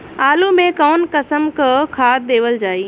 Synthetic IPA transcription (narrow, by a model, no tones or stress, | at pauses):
aːlumẽkɔːnkəsəmkəkʰaːd̪eːʋəld͡ʒaːiː